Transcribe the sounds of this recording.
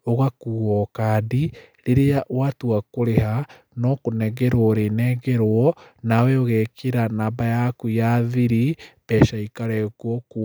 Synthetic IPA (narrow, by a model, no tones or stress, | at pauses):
oɣakuɔkadi | ɾeɾeawatuakoɾeɦa | nɔkonɛɡɛɾwɔɾenɛɡɛɾwɔ | nawɛoɣɛkeɾanabajakujaðiɾib̥ɛʃaikaɾɛkwɔku